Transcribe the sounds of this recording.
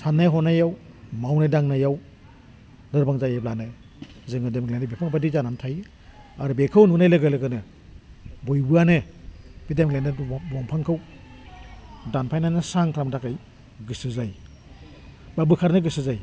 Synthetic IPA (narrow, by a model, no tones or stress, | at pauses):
sanːajɦɔnajaw | mawnajdaŋnajaw | dɯɾbaŋzajeblanɯ | zɯŋɯdemɡlendibepʰaŋbadizanamtʰaj | aɾubekʰɯwnunajlɯɡɯlɯɡɯnɯ | bojbɯanɯbidemɡlendbɔŋpʰaŋkʰɯw | danpʰajnanɯsaŋkʰɾamdakaj | ɡɯsɯzaj | babɯkʰaɾnɯɡɯsɯzaj